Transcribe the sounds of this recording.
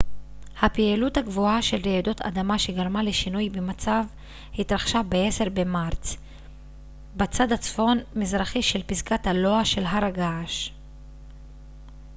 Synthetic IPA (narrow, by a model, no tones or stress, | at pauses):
hapieluthaɡvuaʃe̞lʁeedot̪ʰa̰d̪amaʃe̞ɡaʁmaleʃinujbemat͡sav | hitʁaχʃabee̞se̞ʁbe̞maʁt͡s | bet͡sad̪at͡sfo̞nmizʁaχiʃe̞lpizkathalo̞aʃe̞lɦaɾaɡaʃ